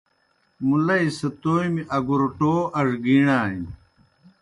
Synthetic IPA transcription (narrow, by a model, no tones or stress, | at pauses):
mulɐisɐt̪oːjmiʔɐɡuɾuʈoːʔɐʐɡiːɳaːḭ